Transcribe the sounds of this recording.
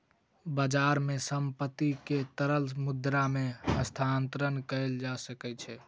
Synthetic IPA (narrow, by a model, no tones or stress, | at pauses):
bad͡ʒaɾmesəmpət̪ːiket̪əɾəlmud̪ɾameəst̪ʰant̪ɾənkəeld͡ʒasəkɛt͡ʃʰɛ